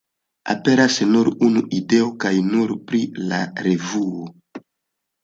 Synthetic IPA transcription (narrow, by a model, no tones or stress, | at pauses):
a̰pe̞ɾasnuɾunuʔide̞o̞kajnuɾpɾila̰ɾe̞vuo